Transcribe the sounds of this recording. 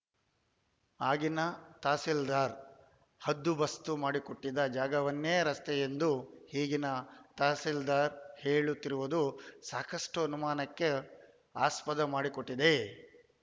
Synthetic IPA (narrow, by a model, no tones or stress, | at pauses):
aːɡinɐt̪aːsild̪aːɾ | hɐd̪ːubɐst̪umaːɽikoʈːid̪ɐd͡ʒaːɡɐʋɐnːeːɐɾɐst̪ejend̪uhiːɡinɐt̪aːsild̪aːɾheːɭut̪ːiɾuʋud̪usaːkɐʂʈuɐnumaːnɐkːe̞ | aːspɐd̪ɐmaːɽikoʈːid̪e̞